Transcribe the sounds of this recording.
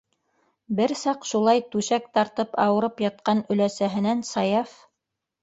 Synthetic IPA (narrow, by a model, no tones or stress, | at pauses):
bɘɾsɑqʃulˠɑjt̪ʉʃæk̚t̪ɑɾt̪ɤpɑwɤ̆ɾɤpjɑt̪̚qɑnɵ̆læsæɦɘ̆nænsɑjɑf